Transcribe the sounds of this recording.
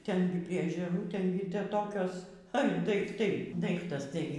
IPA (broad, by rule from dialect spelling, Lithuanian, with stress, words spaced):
ˈtʲɛn ɡʲɪ pʲrʲiɛ ɛʒʲɛˈruː ˈtʲɛn ɡʲɪ ˈtʲɛ ˈtoːkʲoːs ɐr dɐɪkˈtɐɪ ˈdɐɪktɐs ˈtɐɪ